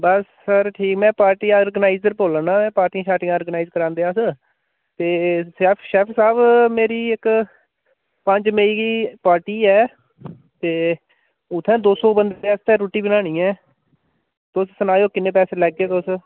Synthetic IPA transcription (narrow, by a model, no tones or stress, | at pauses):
bəsːəɾʈʰiːkmɛ̃ːpaːɾʈiːoːɾɡənaːɪzəɾpoːlənaːmɛ̃ːpaːɾʈiːãːʃaːʈɪijãːoːɾɡənaːizkəɾãːnd̪eːaːsə | t̪eːsɛːpʰʃɛːpʰsaːbmeːɾiːɪk | pə̃ɲd͡ʒməiːɡiːpaːɾʈiːɛː | t̪eː | ʊt̪ʰːɛ̃ːd̪oːsoːbənd̪eːast̪ɛ̃ːɾoːʈiːbənaːɽ̃ĩːɛ̃ː | t̪oːssənaːjoːkɪnːẽːpɛːseːlɛːɡeːt̪os